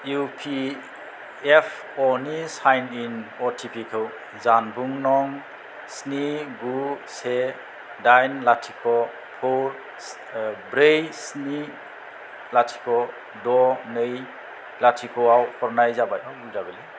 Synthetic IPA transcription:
jupʰi | epʰ | ɔnisajninɔtʰipʰikʰɯw | zanbuŋnɔŋ | sniɡuse | dajnlatʰikʰɔ | pʰowɾ | bɾejsni | latʰi̥kʰɔ | dɔnɯj | latʰikʰɔawpʰɔɾnajzabajɔwɡuzabɯli

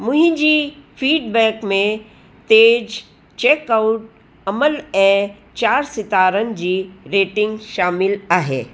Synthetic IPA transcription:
mʊ̃ɦĩd͡ʑiːfʰiːɖbɛːkmẽ | t̪eːd͡ʒ | t͡ʃeːkaʊʈ̚ | ɐməlɛ̃ | t͡ʃaːɾsɪt̪aːɾənd͡ʑiːɾeːʈɪ̃ŋɡʃaːmɪlaːɦḛː

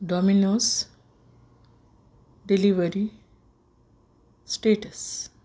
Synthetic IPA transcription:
ɖɔminos | ɖeliʋəɾi | sʈeʈəs

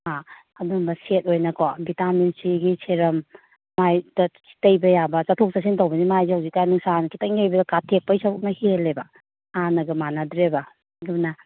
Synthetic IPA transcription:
ha | ɐdumbɐset̚ojnɐkʰɔbitaminsiɡiseɾɐmː | ajd̥ɐsi̥tɐjbɐjabɐt͡ʃatʰok̚sas̬intawbɐnimajzihawzik̚kajnuŋsankʰitɐjnajbɐdɐkatʰek̚pɐjsɐɾuk̚nɐhelːebɐ | anɐɡɐmanadɾebɐ | ɡunɐ

